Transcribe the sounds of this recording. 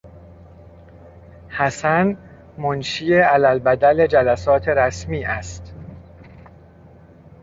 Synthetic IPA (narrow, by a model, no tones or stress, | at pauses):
hæsæn | monʃiːeælælbæd̪æle̞d͡ʒælæsɒːt̪ʰe̞ɾæsmiːʔæst̪